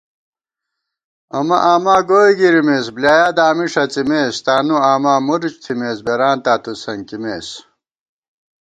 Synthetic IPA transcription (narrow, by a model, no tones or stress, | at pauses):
ɐmɐʔaːmaːɡoːiɡiɾimeːs̬blaːjaːd̪aːmiʂɐt͡simeːst̪aːnuaːmaːmuɾt͡ɕt̪ʰimeːsbeɾaːnt̪aːt̪usɐŋkimeːs